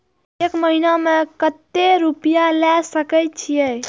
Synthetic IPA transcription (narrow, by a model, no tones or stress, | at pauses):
ekməɦinamẽkət̪ːeɾupijalɛsəkət̪̚t͡ʃʰijɛ